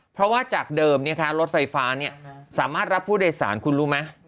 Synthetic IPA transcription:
pʰɾɔ˦˥waː˥˩t͡ɕaː˨˩k̚dɤː˧mni˥˩ɐkʰa˦˥ɾo˦˥t̪̚fa˧jfaː˦˥ni˥˩ɐsaː˩˦maː˥˩t̪̚ɾa˦˥pʰːuː˥˩deː˧jsa̰ː˩˦nkʰu˧nɾuː˦˥ma˦˥

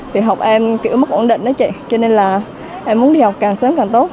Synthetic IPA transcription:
t̪ʰi˨˩ɦa˨˩wk͡p̚ʔɛ˧mki˧˩əwm˦˥k̚ʔo˧˩nɗḭ˧˨ŋ̟ʔa˨˦t͡ɕḭ˧˨t͡ɕɔ˧ne˧nlaː˨˩ | ʔɛ˧mːu˨˦nɗi˧ha˨˩wk͡p̚kaː˨˩ŋsəː˨˦mkaː˨˩ŋt̪o˦˥t̚

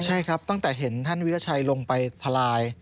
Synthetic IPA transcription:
t͡ɕʰa˥˩jkʰɾa˦˥p̚t̪a˥˩ŋt̪ɛː˨˩ɦe˩˦nt̪ʰa˥˩nwi˦˥a˧˩t͡ɕʰa˧jlo˧ŋpa˧jt̪ʰa˧laː˧j

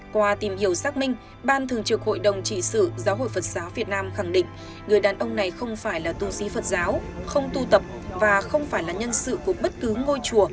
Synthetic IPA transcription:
kwaː˧t̪i˨˩mhi˧˩əwsaː˦˥k̚mï˧ŋ̟ | ɓaː˧nt̪ʰɨ˨˩əŋt͡ɕɨ˨˩k̚ho̰˧˨jɗə˨˩wŋ͡mt͡ɕḭ˧˨sɨ̰˧˨zaː˨˦wɦo̰˧˨jfə˨˩t̚z̥aː˨˦wvi˨˩ət̚naː˧mxa˧˩ŋɗḭ˧˨ŋ̟ | ŋɨ˨˩əjɗaː˨˩nʔə˧wŋ͡mna˨˩jxə˧wŋ͡mfaː˧˩jlaː˨˩t̪u˧si˨˦fə˨˩t̚zaː˨˦wxə˧wŋ͡mt̪u˧t̪ə˨˩p̚vaː˨˩xə˧wŋ͡mfaː˧˩jlaː˨˩ɲə˧nsɨ̰˧˨ku˧˩əɓə˦˥t̚kɨ˨˦ŋo˧jt͡ɕu˧˩ə

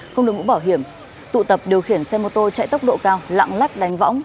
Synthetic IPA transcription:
xə˧wŋ͡mɨ˨˩kmṵ˧˥ɓaː˧˩wɦi˧˩əm | t̪ṵ˧˨t̪ə˨˩p̚ɗi˨˩əwxi˧˩ənsɛ˧mo˨˩t̚t̪o˧jt͡ɕa̰˧˨jt̪ə˦˥wk͡p̚ɗo̰˧˨kaː˧wla̰ː˧˨ŋla˦˥k̚ɗa˨˦jŋ̟vɔ̰˧˥wŋ͡m

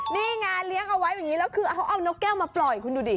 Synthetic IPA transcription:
niː˥˩ŋaː˧nli˦˥əŋʔa˧wa˦˥jːŋːiː˦˥lɛː˦˥wkʰɯː˧˩˧a˦˥wʔa˧˩wno˦˥k̚kɛː˥˩wmaː˧plɔ˨˩jkʰu˧nduː˧diː˨˧˩

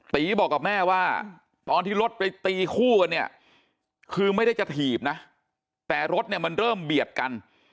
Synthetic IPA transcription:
t̪iː˨˦bɔː˨˩kːa˨˩mɛː˥˩waː˥˩ | t̪ɔː˧nt̪ʰiː˥˩ɾo˦˥t̪̚pa˧jt̪iː˧kʰuː˥˩ka˧ni˥˩ɐ | kʰɯː˧ma˥˩jda˥˩jt͡ɕa˨˩t̪ʰiː˨˩p̚na˦˥ | t̪ɛː˨˩ɾo˦˥t̪̚ni˥˩ɐma˧nɾɤː˥˩mbi˨˩ət̪̚ka˧n

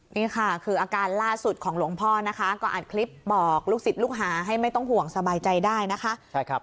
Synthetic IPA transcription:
niː˥˩kʰa˥˩kʰɯː˧ʔaː˧kaː˧nlaː˥˩su˨˩t̪̚kʰɔː˩˦ŋlu˩˦əŋpʰɔː˥˩na˦˥kʰa˦˥kɔː˥˩ʔa̰ː˨˩t̪̚kʰli˦˥p̚bɔː˨˩k̚luː˥˩k̚si˨˩t̪̚luː˥˩k̚ɦaː˩˦ɦa˥˩jma˥˩jt̪ɔ˥˩ŋɦu˨˩əŋsa˧baː˧jt͡ɕa˧jdaː˥˩jna˦˥kʰa˦˥ʔt͡ɕʰa˥˩kʰ

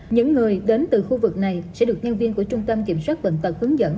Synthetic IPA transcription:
ɲɨ̰˧˥ŋːɨ˨˩əjɗe˨˦nt̪ɨ˨˩xu˧vɨ˨˩k̚na˨˩jsɛ̰˧˥ɗɨ˨˩ək̚ɲə˧nvi˧ənku˧˩ət͡ɕʊ˧ŋ͡mt̪ə˧mki˧˩əmswaː˦˥t̚və̰˧˨nt̪ə˨˩p̚hɨ˨˦ŋzə̰˧˥n

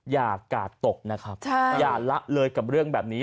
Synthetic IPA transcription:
jaː˨˩kːaː˨˩tt̪ːo˨˩k̚na˦˥kʰɾa˦˥p̚t͡ɕʰa˥˩jaː˨˩la˦˥ʔ̚lɤː˧jka˨˩p̚ɾɯ˥˩əŋbɛː˨˩p̚niː˦˥

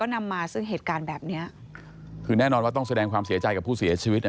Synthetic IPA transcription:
kɔː˥˩na˧mːaː˧sɯ˥˩ŋɦeː˨˩t̪̚kaː˧nbɛː˨˩p̚ni˦˥ɐ | kʰɯː˧nɛː˥˩nɔː˧nwa˥˩t̪ɔ˥˩ŋsa˧dɛː˧ŋkʰwaː˧msi˨˩˦ɐt͡ɕa˧jka˨˩pʰːuː˥˩si˨˩˦ɐt͡ɕʰiː˧wi˦˥t̪̚ʔ

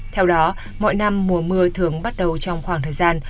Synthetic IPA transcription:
t̪ʰɛ˧wɗɔ˨˦ | mɔ̰˧˨jna˧mːu˨˩˦əmɨ˧ət̪ʰɨ˨˩əŋɓa˦˥t̚ɗə˨˩wt͡ɕɔ˧wŋ͡mxwaː˧˩ŋt̪ʰːjzaː˧n

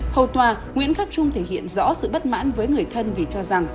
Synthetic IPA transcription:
hə˨˩wt̪waː˨˩ | ŋwḭ˧˥ənxaː˦˥p̚t͡ɕʊ˧ŋ͡mt̪ʰe˧˩hḭ˧˨ənzɔ̰˧˥sɨ̰˧˨ɓə˦˥t̚ma̰ː˧˥nvəː˨˦jŋɨ˨˩əjt̪ʰə˧nvi˨˩t͡ɕɔ˧za˨˩ŋ

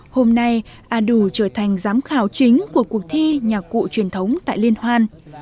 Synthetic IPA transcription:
ho˧mna˧jʔaː˨˧˩ɗu˧˩t͡ɕəː˧˩t̪ʰa˨˩jŋ̟zaː˨˦mxaː˧˩wt͡ɕï˨˦ŋ̟ku˧˩əku˨˩ək̚t̪ʰi˧ɲaː˨˩kṵ˧˨t͡ɕwi˨˩ənt̪ʰə˨˦wŋ͡mt̪a̰ː˧˨jli˧ənhwaː˧n

